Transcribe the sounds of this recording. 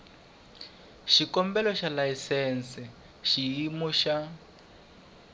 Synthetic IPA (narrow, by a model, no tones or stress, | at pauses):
ʃikɔmbɛlɔʃalaisɛnsɛ | ʃiimuʃa